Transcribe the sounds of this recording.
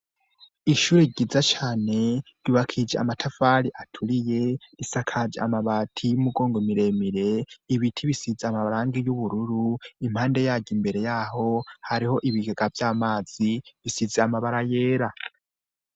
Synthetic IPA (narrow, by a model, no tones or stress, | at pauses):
iʃuːɾeɟizat͡ʃaːne̞ɾuβakʰid͡ʒea̰matʰafaɾiʔatʰuɾije̞ɾisakʰad͡ʒeamaβatʰijumuɡo̞ːŋɡomiɾe̞miɾe̞iβitʰiβisizeamaβaɾaːŋɡijuβuɾuɾuim̥haːnde̞jaːɟimbe̞ɾe̞jaːɦo̞haɾiho̞ʔiβiɡeɡavjaːmaːz̥iβisizeamaβaɾaje̞ːɾa